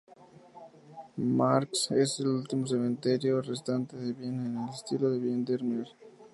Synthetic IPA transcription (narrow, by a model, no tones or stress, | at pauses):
maɾkseselult̪imos̬emẽnt̪eɾjorest̪ant̪eðeβjenenelest̪iloðeβjend̪eɾmeɾ